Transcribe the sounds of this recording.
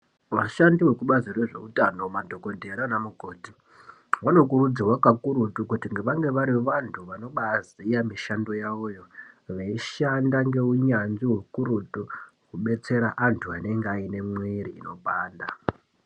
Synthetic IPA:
waʃandiwe̞kuɓazirweʐe̞̰utanomadʱo̞ko̞dʱeɾanamuko̞ːti̥ | wano̞kuɾud͡zirwakakuɾutukutiŋɡe̞ʋaŋɡe̞ʋaɾiʋantʰuʋano̞ɓazijamiʃando̞jaojo̞ʋeiʃandaŋɡe̞uɲanʐiwekuɾutukuɓe̞t͡se̞ɾaʔantʰuane̞ŋɡeaine̞mwiɾiino̞ɓaːnda̰

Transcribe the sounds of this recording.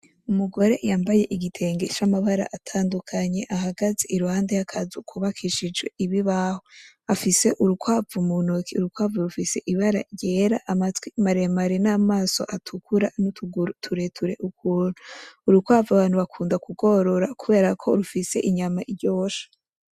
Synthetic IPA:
umuɡo̞ɾe̞ʔjaːmbaje̞ʔiɡitʰe̞ŋɡe̞t͡ʃamaβaɾa̰ʔatʰaːndukʰaɲe̞ʔaɦaɡazeʔiɾuhaːndejakʰazukʰuβakʰiʃid͡ʒɡwe̞ʔiβiβaho | afise̞ʔuɾukwavumunokiuɾukwaːvuɾufise̞̰ʔiβaɾa̰ɟe̞ːɾaʔamat͡swimaɾemaɾenaːmaːso̞̰ʔatʰukʰuɾanutuɡtʰuɾe̞tʰuɾe̞̰ʔukʰuːnuːɾukwaːvuaβaːnhuβakʰuːndakuɡo̞ɾo̞ɾakuβe̞ːɾakʰo̞ɾufise̞̰ʔiɲamaʔiɾɟoːʃḁ

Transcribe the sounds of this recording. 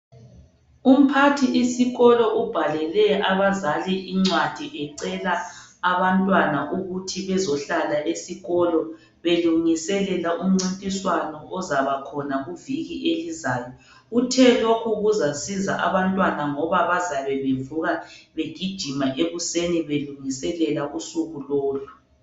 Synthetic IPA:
um̩pʰatʰiʔisiɣɔlɔʔub̥ʱalɛlɛaβazaliʔiŋ͡ǀwad̥ʱiʔɛǀɛlaːβantʼwanaʔuɣutʰiβɛzɔɬalaʔesiɣɔlɔ | βeluŋisɛlɛlaʔum̩ŋ͡ǀintʼiswanɔʔɔzaβakʰɔnaɣuviɣiʔelizaːjɔ | utʰɛlokʰuɣuzasiza̰ʔa̰βantʼwanaŋɔβaβazaβɛβevuɣaβeɡ̥ʱid̥ʒ̥ʱimaʔeβuseniβeluŋisɛlɛlaʔusuɣuloːlu

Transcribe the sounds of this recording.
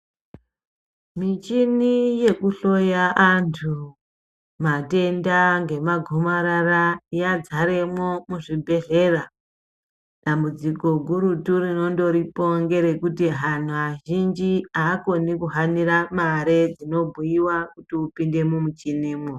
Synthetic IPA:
mit͡ʃinije̞kuɬo̞jaʔantʰu | mate̞ndaŋɡe̞maɡʱomaɾarajad͡zaɾe̞mwo̞muʐibʱe̞ɮe̞ra | dambud͡ziko̞ɡʱuɾuturino̞ndo̞ɾipo̞ŋɡe̞ɾe̞kutiɦan̤uaʒind͡ʒiaːko̞nikuɦaniɾamaɾed͡zino̞bʱujiwakutiupinde̞mumut͡ʃiniːmwo

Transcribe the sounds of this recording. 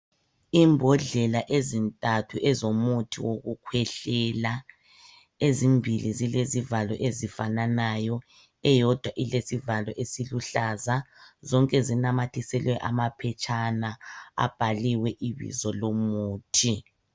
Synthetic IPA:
imbʱɔɮɛlaʔezintʼatʰuʔɛzomutʰiwoɣukʰwɛɬɛla | ezimbʱilizilezivalɔʔezifananajɔ | ɛjɔd̥ʱwaʔilesivalɔʔesiluɬazazɔŋkʼɛzinamatʰisɛlwɛʔa̰mapʰɛt͡ʃʼʰanaa̰b̥ʱaliwɛʔiβḭzɔlomuːtʰi

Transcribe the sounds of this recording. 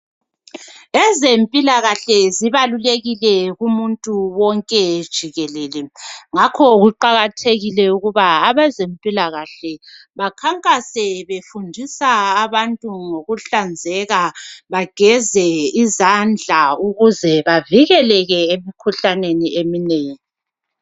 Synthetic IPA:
ɛzempʼilaɣaɬɛziβaluleɣilɛɣumuntʼuwɔŋkʼɛd̥ʒ̥ʱiɣɛlɛlɛŋakʰɔɣuǃaɣatʰeɣilɛuɣuβaːβɛzempʼilaɣaɬɛβakʰaŋkʼasɛβefundʱisaːβantʼuŋoɣuɬand͡zʱɛɣaβaɡ̥ʱɛzɛizand͡ɮʱauɣuzɛβaviɣɛlɛɣɛemikʰuɬaneniemineːŋi

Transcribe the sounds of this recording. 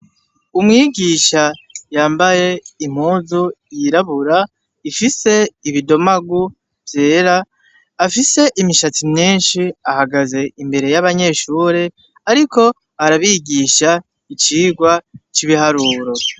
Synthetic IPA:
umŋiːɡiːʃajaːmbaje̞im̥huːzujiɾaβuɾa | ifise̞iβido̞maɡu | vje̞ːɾaː | fise̞ʔimiʃat͡simɲiːnʃiahaɡaze̞imbe̞ɾe̞jaβaɲe̞ʃuːɾe̞ | aɾiko̞ | aɾaβiɡiːʃa | it͡ʃiːɡwat͡ʃiβiɦaɾuːɾo̞

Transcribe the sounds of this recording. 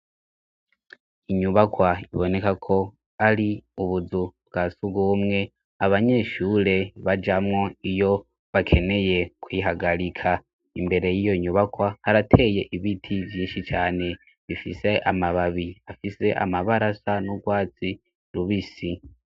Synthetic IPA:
iɲuβakwaḭβo̞ne̞kakʰo̞ | aɾiuβuzubɡasuɡɡuːmŋe̞ | aβaɲe̞ːʃuːɾe̞βad͡ʒamŋo̞ijo̞ | βakʰe̞ne̞je̞kʰwiɦaɡaɾikʰa | imbe̞ɾe̞jijo̞ɲuβakwahaɾatʰe̞je̞ʔiβitʰivjiːnʃit͡ʃaːne̞ | βifḭse̞ʔamaβaβiafise̞ʔa̰maβaɾasanuɡwaːt͡si | ɾuβisi

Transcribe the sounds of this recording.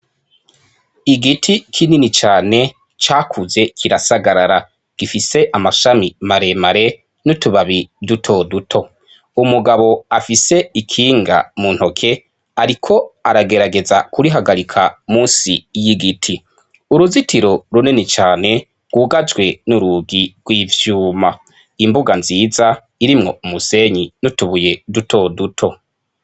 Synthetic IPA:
iɡitʰikʰininit͡ʃaːne̞ | t͡ʃaːkʰuze̞kʰiɾasaɡaɾaɾa | ɡ̥ifise̞ʔamaʃamimaɾe̞maɾe̞ | nutuβaβidutʰoːdutʰo̞ | umuɡaβo̞afise̞ikʰiːŋɡa̰munho̞kʰe̞ | aɾikʰo̞aɾaɡe̞ɾaɡe̞zakuɾiɦaɡaɾikʰamuːnsijiɡitʰi | uɾuzitʰiɾo̞ɾunenet͡ʃaːne̞ | ɡ̥wuːɡad͡ʒwe̞nuɾuɡiɡ̥wiːvjuːma | imbuɡanziːza | iɾimŋo̞̰umuse̞ɲinutuβuje̞dutʰo̞dutʰo̞

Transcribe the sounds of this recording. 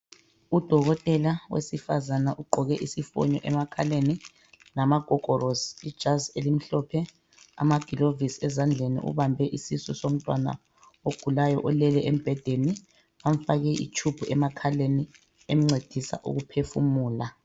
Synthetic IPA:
ud̥ʱɔɣɔtʼɛlawḛsifazanaʔuɡ͡ǃʱɔɣɛʔisifɔ̰ɲɔ̰ʔɛmakʰaleni | namaɡ̥ʱɔɡ̥ʱɔrɔsid̥ʒ̥ʱazelim̩ɬɔpʰɛ | a̰maɡ̥ʱilovisɛzand͡ɮʱenḭʔṵβambʱɛʔisisɔsom̩tʼwana̰ | oɡ̥ʱulajɔʔɔlɛlɛem̩b̥ʱɛd̥ʱeni | am̩faɣɛʔḭt͡ʃʰub̥ʱuɛmakʰaleni | em̩ŋ͡ǀed̥ʱisa̰ʔṵɣupʰefṵmuːla

